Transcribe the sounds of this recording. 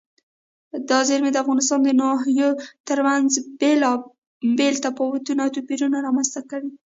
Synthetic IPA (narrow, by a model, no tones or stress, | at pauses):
d̪ɑzeɾmed̪əafɣɑnɪs̬t̪ɑnd̪ənɑɦjot̪əɾmanzbelɑ | belt̪apɑwt̪unɑt̪upiɾunaɾɑmanzt̪akaɽi